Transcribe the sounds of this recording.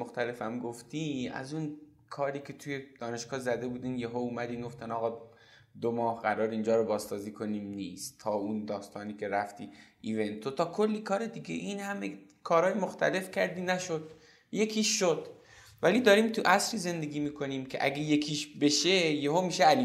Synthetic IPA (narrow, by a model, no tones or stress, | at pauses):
oxt̪æle̞fæmɡoft̪ʰiæ̰zun | kʰɒːɾiːkʰe̞t̪ʰujed̪̥ɒːne̞ʃɡ̥ɒːzæd̪e̞buːd̪iːnjeɦouːmæd̪iːnɡoft̪ænɒːɣɒː | d̪omɒːhɢæɾɒːɾiːnd͡ʒɒːɾobɒːzsɒːziːkʰo̞niːmniːst̪ʰːɒːund̪ɒːst̪ʰɒːniːkʰe̞ɾæft̪ʰiʔive̞nt̪ʰːot̪ʰɒːkʰolːiːkʰɒːɾe̞d̪iɡḛʔiːnhæme | kʰɒːɾɒːjemoxt̪ʰæle̞fcʰæɾd̪iːnæʃo̞d̪̥ | je̞kʰiːʃːod̪̥ | vælid̪ɒːɾiːmt̪ʰuʔæsɾiːze̞nd̪e̞ɡʲiːmiːkʰo̞niːmcʰe̞̰ʔæ̰ɡejekʰiːʃbe̞ʃejeɦomiːʃeæliː